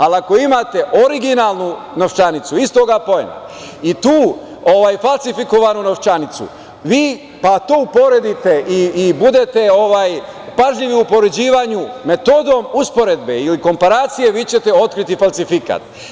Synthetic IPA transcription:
aliako̞imat̪e̞ʔo̞ɾiɡinaːlnu | no̞ʋt͡ʃanit̪suist̪o̞ɡapo̞ḛna | it̪uː | oʋaːjfalˠsifiko̞ʋanuno̞ʋt͡ʃanit̪sṵ | ʋiː | pat̪oːupo̞ɾe̞d̪it̪e̞ʔiːbud̪e̞t̪e̞o̞ʋaːj | paʒʎiʋiupo̞ɾed͡ʑiːʋaɲume̞t̪o̞ːd̪o̞muspo̞ɾed̪be̞iliko̞mpaɾaːt̪sije̞ʋit͡ɕe̞t̪e̞o̞t̪kɾit̪ifalsifika̰ːt̪

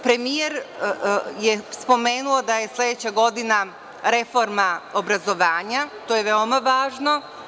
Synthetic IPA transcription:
pɾe̞mijeɾ | jespo̞meːnuo̞d̪aje̞sle̞d̪et͡ɕaɡo̞d̪ina | ɾe̞fo̞ɾmaobɾazo̞ʋaːɲat̪oːjeʋeomaʋaːʒno̞

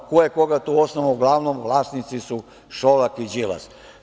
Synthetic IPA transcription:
kojekoɡat̪uosnoʋauɡlˠaʋnomʋlˠaːsnit̪sisu | ʃolakid͡ʒila̰s

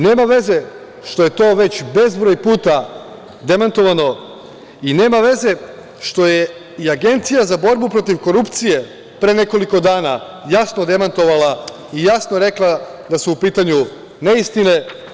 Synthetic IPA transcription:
ne̞ːmaʋe̞ze̞ | ʃt̪o̞je̞t̪o̞ːʋe̞t͡ɕbe̞zbɾojpuːt̪a | d̪e̞mant̪o̞ʋano̞ | ine̞ːmaʋe̞ze̞ | ʃt̪o̞je | iaɡe̞nt̪sijazabo̞ɾbupɾo̞t̪iʋko̞ɾupt̪sije̞ | pɾeːne̞ko̞liko̞d̪aːna | jasnod̪e̞mant̪o̞ʋalˠa | ijasnoɾe̞klˠa | d̪asuupiːt̪aɲu | ne̞ist̪ine

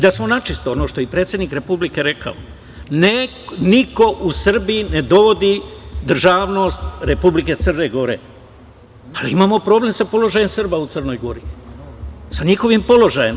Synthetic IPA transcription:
id̪asmo̞nat͡ʃist̪oono̞ʃt̪o̞jepɾe̞ːt̪sʲjed̪niːkɾe̞publike̞ɾe̞kʰa̰o̰ | ne | niko̞ʔusr̩biine̞d̪o̞ʋo̞d̪id̪r̩ʒaːʋno̞ːst̪ɾe̞publike̞t̪sɨrne̞ɡo̞ɾe̞̰ | alḭimaːmo̞pɾo̞ble̞msapo̞lo̞ʒajemsɨr̩baut̪sərno̞jɡo̞ɾi | saɲixo̞ʋimpo̞lo̞ʒajem

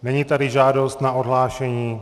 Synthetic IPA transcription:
nɛɲiːt̪adɪʒaːdo̞st̪naʔodɦlaːʃɛɲiː

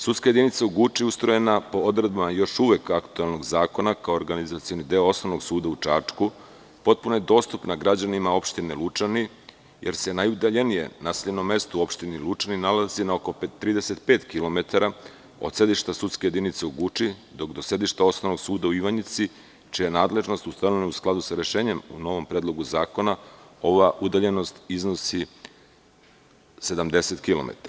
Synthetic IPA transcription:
sut̪skaje̞d̪init̪seuɡut͡ʃiust̪ɾojenapo̞od̪ɾed̪̚bamajo̞ʃuʋekakt̪uelˠno̞ɡzaːko̞nakaooɾɡanizat̪sijo̞nid̪eoo̞snoʋno̞ɡsuːd̪aut͡ʂat͡ʂku | po̞t̪̚punoje̞d̪o̞ːst̪upnaɡɾad͡ʑanimao̞pʃt̪inelut͡ʃani | jeɾse̞najud̪aʎe̞nijḛnaseʎeno̞mːe̞st̪uo̞pʃt̪inilˠut͡ʃaninalazinaoko̞pet̪ːɾiːd̪eset̪peːt̪kilˠo̞me̞t̪aɾa | od̪se̞d̪iʃt̪asut̪skejed̪init̪se̞uɡut͡ʃid̪o̞kd̪o̞se̞d̪iʃt̪ao̞snoʋno̞ɡsuːd̪auiʋaɲit̪si | t͡ʃijenaːd̪le̞ʒno̞st̪ust̪anonausklˠad̪usaɾe̞ʃe̞ːɲe̞mṵno̞ʋo̞mpɾed̪lˠo̞ɡuzaːko̞nao̞ʋaʔud̪aʎe̞no̞st̪iznosi | se̞d̪amd̪e̞se̞t̪kilo̞̰mḛt̪aɾa

